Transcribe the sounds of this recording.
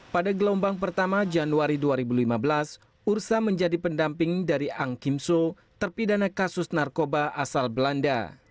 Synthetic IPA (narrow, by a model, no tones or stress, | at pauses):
padaɡəlombaŋp̬ərt̪amad͡ʒanuaɾiduaɾibulimabəlas | ursaməɲd͡ʒadipəndampɪŋdaɾiaŋkimso | t̪ərpidanakasʊsnarkobaʔasalbəlanda̰